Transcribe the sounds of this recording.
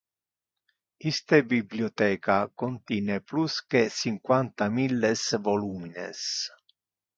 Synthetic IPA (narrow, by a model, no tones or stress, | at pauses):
ist̪ebiblijɔt̪ɛːkakont̪iːnepluskesiŋkwant̪amilːesvoluːminḛs